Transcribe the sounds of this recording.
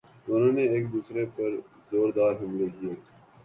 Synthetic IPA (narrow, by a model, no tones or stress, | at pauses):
ʊnõːneeːk̚d̪uːsɾepɐɾ | zoːɾd̪aːɾɦɐmlekijeː